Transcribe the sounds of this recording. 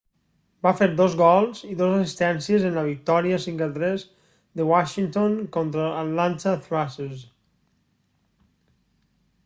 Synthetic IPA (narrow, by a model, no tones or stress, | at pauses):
bafeɾd̪ozɣɔlˠziðozasist̪ɛnsiezenlaβik̚t̪ɔɾiasiŋkat̪ɾez | ðewaʃiŋt̪onkont̪ɾaalant̪aθɾases